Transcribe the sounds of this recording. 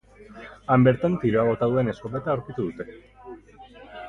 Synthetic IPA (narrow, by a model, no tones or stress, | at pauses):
ambe̞ɾt̪ant̪iɾoaβo̞t̪aðue̞ne̞sko̞βet̪aawɾkit̪uðut̪e̞